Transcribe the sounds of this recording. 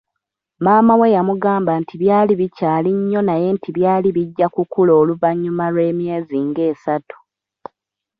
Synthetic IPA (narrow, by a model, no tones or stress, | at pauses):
maːmawe̞jamuɡaːmbantʰiβjaːliβicaːliɲːo̞naje̞ntʰiβjaːliβiɟːakukulo̞ːluvaɲːumalwe̞ːmje̞ːziŋɡe̞ːsatu̥